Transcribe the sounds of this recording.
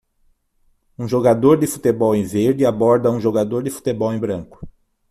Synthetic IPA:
ũʒoɡad̪oɾd̪ɪfut̪ebɔwẽj̃veɾd͡ʒ̪ɪabɔɾd̪ɐũʒoɡad̪oɾd̪ɪfu̥t̪ebɔwẽj̃bɾɐ̃ŋkʊ̥

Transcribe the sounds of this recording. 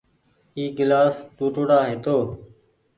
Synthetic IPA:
iːɡɪlaːst̪uːʈoːɽaːɦeːt̪oː

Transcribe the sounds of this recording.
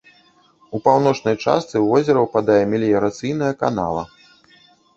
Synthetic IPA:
upawn̪ɔt͡ʂnɐjt͡ʂa̰st̪sɨvɔzʲɛɾɐwpad̪ajɛmʲilʲijɐɾat̪sɨjnɐjɐka̰n̪a̰lˠɐ̰

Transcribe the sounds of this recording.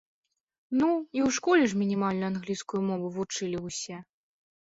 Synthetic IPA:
nuiwʂkɔlʲɛʐmʲinʲimalʲnɐanɣlʲiskʊjmɔvɨvut͡ʂɨlʲiwsʲɛ

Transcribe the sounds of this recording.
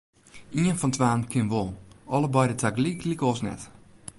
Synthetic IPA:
iənfɔntʋaːnkʰɪnʋɔlˠɔlˠəbɔjdətʰaɡliklikɔsnɛ̰t

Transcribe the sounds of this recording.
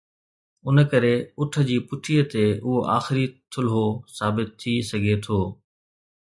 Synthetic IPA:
ʊnkɐɾeʊʈʰə̆d͡ʑiːpʊʈʰiːət̪eʊɦoʔaːxɪɾit̪ʰʊlɦosaːbɪt̪ʰːisɐɡʱet̪ʰoː

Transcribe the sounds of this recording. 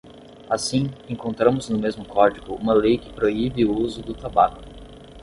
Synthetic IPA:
asĩẽŋkõnt̪ɾɐ̃mʊznʊmezmʊkɔɾd͡ʒiɡʊũmɐlejkɪ̥pɾoibɪuuzʊd̪ʊt̪abakʊ̥

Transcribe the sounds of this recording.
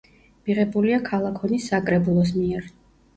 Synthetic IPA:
miʁɛbuliakʰalˠakʰɔnisːakʼɾɛbulˠɔs̬miɛɾ

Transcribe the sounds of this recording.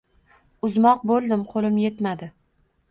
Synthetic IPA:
ʊzmɒq̚bolˠd̪ɪmqʰolɪmje̞t̪mad̪ɪ

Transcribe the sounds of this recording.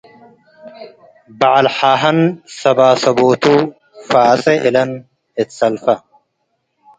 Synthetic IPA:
bɐʕɐlħaːɦɐnsɐbaːsɐboːt̪uː | faːsɛʔɪlɐn | ɪt̪sɐlfɐ

